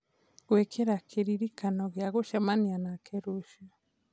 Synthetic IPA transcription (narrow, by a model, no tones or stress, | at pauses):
ɡ̥wekeɾakʰeɾiɾikanoɡjaɣoʃamanianakeɾuʃa